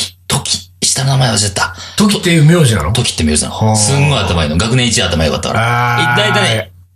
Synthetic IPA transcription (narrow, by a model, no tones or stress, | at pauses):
t̪ʰo̞kʲʰi̥ɕi̥t̪annamaeβasiat̪ːat̪ok̬ʲi̥t̪ːeɯmʲjo̞ːʑina̰not̪o̞kʲi̥t̪ːemjo̞ːʑina̰nsɨ̃ŋɡo̞jat̪amainoɡakɯ̟nẽ̞it͡ɕiat̪ːamaijokat̪ːakaɾait̪ːait̪ai